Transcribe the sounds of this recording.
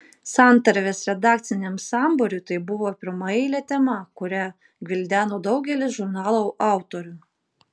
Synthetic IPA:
sɑˑnt̪ɐɾʲʋʲeːsɾʲɛd̪ɑːk̚t̪sʲɪnʲɛmsɑˑmboɾʲʊt̪ɐɪbʊʋoːpʲɪɾmɑɛɪlʲɛːt̪ʲɛmɐkʊɾʲæ | ɡʲʋʲɪlʲd̪ʲæːnoːd̪ɒʊɡʲɛlʲɪsʒʊɾnɑːlˠoʔɑˑʊt̪oːɾʲʊ

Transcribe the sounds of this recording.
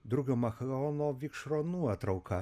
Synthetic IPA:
d̪ʊɡʲoːmɐxloːnoːʋʲikʃɾoːnuɔt̪ɾɐʊkɐ

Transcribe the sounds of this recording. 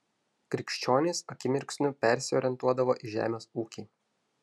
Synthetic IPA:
kɾʲɪkʃʲt͡ʃʲoːnʲeːsɐkʲɪmʲɪɾʲksʲnʲʊpʲɛɾʲsʲɪoːɾʲɪɛnt̪uɔd̪ɐʋoːʔiʒʲæ̰ːmʲeːsuːkʲiː

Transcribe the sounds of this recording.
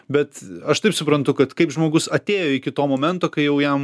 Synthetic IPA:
bʲɛt̪ɐʃt̪ɐɪpsʊpɾɐnt̪ʊkɐt̪kɐɪpʒmoːɡʊsɐt̪ʲeːjoːɪkʲɪt̪oːmoːmʲɛnt̪oːkɐɪjɛʊjɛm

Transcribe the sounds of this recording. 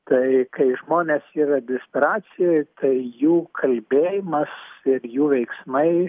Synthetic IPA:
t̪ɐɪkɐɪʒmoːnʲeːsiːɾɐd̪ʲɛsʲpʲɛɾɑːsʲɪjɛt̪ʰɐɪjuːkʰɐlʲbʲeːjɪmɐsɪrjuːʋʲɛɪksmɐɪ

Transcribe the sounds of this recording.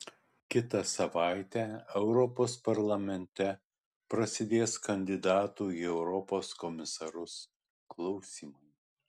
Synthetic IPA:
kʲɪt̪ɐsɐʋɑˑɪt̪ʲæːɛʊɾɔpoːspɐɾlˠɐmʲɛnʲt̪ʲɛ | pɾɐsʲɪd̪ʲeːskɐnʲd̪ʲɪd̪ɑːt̪uːiɛʊɾɔpoːskɔmʲɪsɐɾʊs | klˠɐʊsʲiːmɐɪ

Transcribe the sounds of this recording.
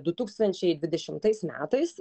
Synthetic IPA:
d̪ʊt̪uːkst̪ɐnʲt͡ʃʲɛɪd̪ʲʋʲɪd̪ʲɛʃʲɪmt̪ɐɪsmʲæ̰ːt̪ɐɪs

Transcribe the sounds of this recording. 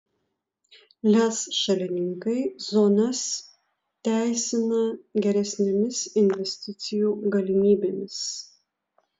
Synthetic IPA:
lʲæsʃɐlʲɪnʲɪŋkɐɪzoːnɐs | t̪ʲæˑɪsʲɪnɐɡʲɛɾʲɛsʲnʲɛmʲɪsɪnʲʋʲɛsʲt̪ʲɪt̪sʲɪjuːɡɐlʲɪmʲiːbʲeːmʲɪs

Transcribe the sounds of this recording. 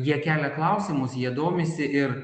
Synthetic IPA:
jiɛkʲæːlʲɛklˠɐʊsʲɪmʊsjiɛd̪oːmʲɪsʲɪʔɪɾ

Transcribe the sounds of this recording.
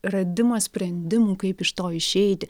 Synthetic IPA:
ɾɐd̪ʲɪmɐsʲpʲɾʲɛnʲd̪ʲɪmuːkɐɪpɪʃt̪oːɪʃʲɛɪt̪ʲɪ

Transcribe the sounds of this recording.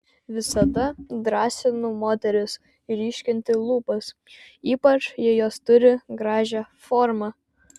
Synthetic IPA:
ʋʲɪsɐd̪ɐd̪ɾɑːsʲɪnʊmoːt̪ʲɛɾʲɪs | iɾʲiːʃʲkʲɪnʲt̪ʲɪlˠuːpɐs | iːpɐt͡ʃjɪjoːst̪ʊɾʲɪɡɾɑːʒʲæ | fɔːɾmɑ

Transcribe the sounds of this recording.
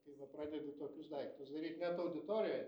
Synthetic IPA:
kɐɪʋɐpɾɑːd̪ʲɛd̪ʲʊt̪oːkʲʊsd̪ɐɪkt̪ʊsd̪ɐɾʲiːt̪nʲɛt̪ɐʊd̪ʲɪt̪oːɾʲɪjoːj

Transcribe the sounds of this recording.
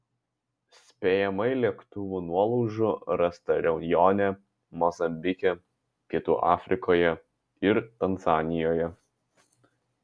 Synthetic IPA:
sʲpʲeːjɛmɐɪlʲiɛkt̪ʊʋuːnuɔlˠɔʊʒʊɾɐst̪ɐɾʲɛʊnʲjɔːnʲɛ | mɔzɐmʲbʲɪkʲɛ | kʲɪt̪ṵːʔɑːfʲɾʲɪkoːjɛ | ɪɾt̪ɐnzɑːnʲɪjoːjɛ

